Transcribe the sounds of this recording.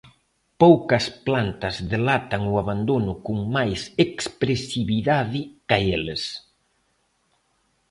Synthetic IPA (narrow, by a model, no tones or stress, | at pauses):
powkɐsplant̪ɐzðelat̪ɐŋuaβand̪onʊkuŋmajsekspɾesiβiðaðikaeles